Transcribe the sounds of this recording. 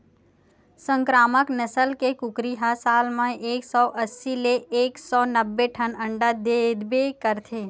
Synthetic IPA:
sə̃ŋkɾaːməknəsəlkekʊkɾiɦasaːlmãʔeːksɔːʔəsːileeːksɔːnəbːeʈʰənə̃ɳɖad̪ed̪bekəɾt̪ʰeː

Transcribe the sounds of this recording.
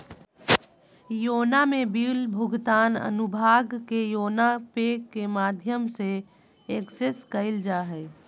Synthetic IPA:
joːnamẽbiːlbʱʊɡt̪aːnə̰nʊbʱaːɡkejoːnapeːkːemaːd̪ʱjəmse | ekseskəɪld͡ʒaːɦɛː

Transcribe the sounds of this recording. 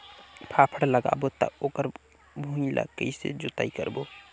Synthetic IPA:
pʰapʰəɽləɡa̰bot̪ə̰okəɾ | bʱũilə̰ɡəisḛd͡ʒot̪a̰ikə̰ɾbo

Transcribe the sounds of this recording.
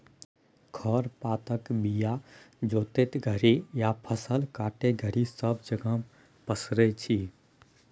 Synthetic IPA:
kʰəɾpat̪əkbijad͡ʒot̪et̪ɡʱəɾijapʰəsəlkaʈeɡʱəɾisəbd͡ʒəɡəm | pəsɾɛt͡ʃʰi

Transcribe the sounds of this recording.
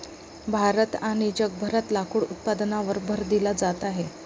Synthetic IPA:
bʱaɾət̪aɽ̃id͡ʑəɡ̚bʱəɾat̪lakuːɽut̪̚pad̪naʋəɾbʱəɾd̪ilad͡zat̪aɦe

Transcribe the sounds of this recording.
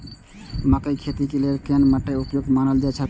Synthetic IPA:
məkəjkʰet̪ikeleɾkenməʈːəupjoɡmanəld͡ʒat͡ʃʰə

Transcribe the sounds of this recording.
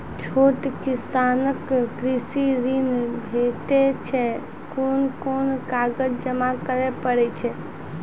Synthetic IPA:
t͡ʃʰoʈ̪kisanəkɡɾisiɾinbʱeʈet͡ʃʰɛ | koːnkonkaɡəd͡ʒd͡ʒəmakəɾepəɽɛt͡ʃʰɛ

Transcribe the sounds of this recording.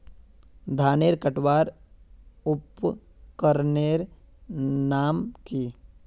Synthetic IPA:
d̪ʱaːneːɾkəʈwaːɾ | ʊp | kəɾneːɾ | naːmkiː

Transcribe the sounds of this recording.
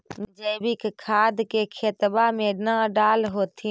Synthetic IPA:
md͡ʒəjbɪkkʰaːd̪kekʰet̪bamẽnəɖaːlɦoːt̪ʰi

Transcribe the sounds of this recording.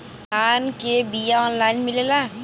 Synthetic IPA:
kʰaːnkebijaɔːnlaːɪnmɪlelaː

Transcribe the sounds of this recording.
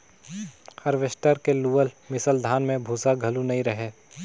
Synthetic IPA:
hɐɾʋɪsʈəɾkeluːəlmɪsəld̪ʱaːnmẽbʱuːsaɡʱɐlunɐɦĩɾɐɦeː

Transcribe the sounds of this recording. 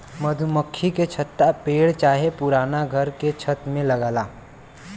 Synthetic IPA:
məd̪ʱuməkʰːiket͡ʃʰət̪ːapeːɽt͡ʃaːɦepʊɾaːnaɡʱəɾket͡ʃʰət̪mẽləɡaːlaː

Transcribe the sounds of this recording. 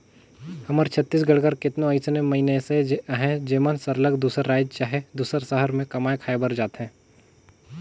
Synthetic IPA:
hɐməɾt͡ʃʰət̪ːiːs̬ɡəɽkəɾkɪt̪nõəɪsnemɐɦineseɦɛ̃d͡ʒeːmənsəɾləɡd̪uːsəɾːaːɪd͡ʒt͡ʃaːɦed̪uːsəɾsəɦəɾmẽkɐmaːekʰaːebəɾd͡ʒaːt̪ɦɛ̃ː

